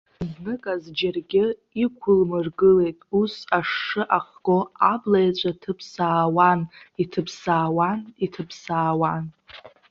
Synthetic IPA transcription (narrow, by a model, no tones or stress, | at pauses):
znɨkʼazd͡ʒarɡʲɪ | ikʷʰʊlmɨrɡɨle̞jtʼusaʂːɨʔaχɡ̥oablajt͡ɕʷʼatʰɨpʰsaːwanitʰɨpʰsaːwanitʰɨpʰsaːwan